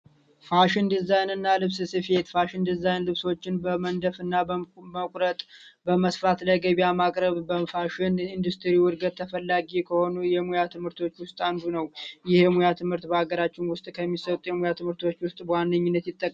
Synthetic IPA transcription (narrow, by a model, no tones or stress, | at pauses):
faʃɪnd̪ɨzajnɨnːalɨβsɨsɨfe̞t̪faʃɪnd̪ɨzajnlɨβso̞t͡ʃːɪnbəmənd̪əfɨnːaməkʷʼɾət̪ʼbəməsfɾat̪ləɡəβiamakʼɾəβbəfaʃɪnind̪ust̪ʰɨɾiwɔɾɡət̪ʰːəfəlːaɡikʰəho̞nujɛmujat̪ʰɨmhɨɾt̪ʰo̞t͡ʃːwʊst̪ʼand̪unəwjɪhmujat̪ʰɨmhɨɾt̪bəaɡəɾat͡ʃːɪnwʊst̪ʼkʰəmːisət̪ʼjɛmujat̪ʰɨmhɨɾt̪ʰo̞t͡ʃːwʊst̪ʼbəwanːəɲːɪnːət̪jɪt̪ʼːəkʼː